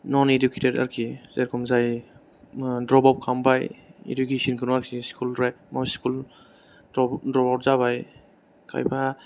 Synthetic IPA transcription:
nɔneduketeda̰ɾkʰizeɾkʰɔmzaj | dɾɔbawt̚kʰambajḛdukesɔnkʰɯnaɾkiskʰulɾajmawskul | dɾɔbawt̚zaβaj | kʰa̰jpʰa

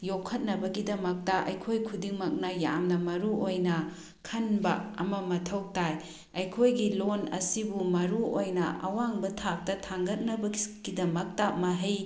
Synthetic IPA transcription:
jokʰːɐt̚nɐbɐɡidɐmɐk̚tɐʔɐ̰jkʰojkʰudiŋmɐk̚nɐja̰mnɐmɐɾuojnɐ | kʰɐnbɐ̰ɐ̰mɐmɐtʰɐwk̚taj | ɐjkʰojɡilonɐ̰sibumɐɾuojnɐ̰ʔɐ̰waŋbɐtʰak̚tɐtʰaŋɡɐt̚nɐbɐɡidɐmɐk̚tɐmɐɦɐj

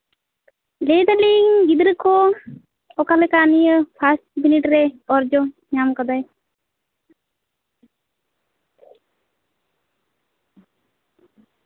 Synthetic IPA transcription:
led̪aliŋɡid̪ɾəkɔ | ɔkalɛkanijəpʰasʈbiniʈɾɛɔɾd͡ʒɔɲamkad̪aj

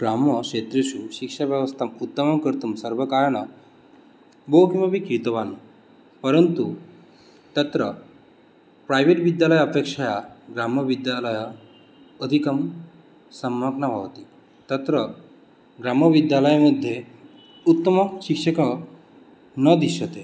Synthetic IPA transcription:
ɡɾaməɕet̪ɾeɕuɕikʂaʋjəʋəst̪ʰamut̪ːəməmkəɾt̪umsəɾʋəkajnə | bokiməbikit̪əʋanu | pəɾənt̪u | t̪ət̪ɾə | pɾajʋeʈʋid̪jaləjəpekʂajaɡɾaməʋid̪jaləj | əd̪ʱikəm | səmːəknabʱa̰ʋt̪i | t̪ət̪ɾə | ɡɾaməʋid̪jaləjaməd̪ʱːje | ut̪ːəməɕikʂəkə | nəd̪iɕət̪e

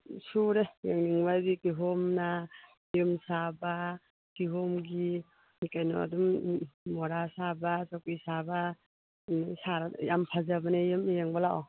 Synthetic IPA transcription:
suɾejeŋniŋbajbikiɦɔmna | jɯmsaba | kiɦɔmɡi | nikajnɔ̰a̰dumː | ɔɾasabasakijsaba | saɾajampʰazabanejɯmjeŋbalaʔɔ

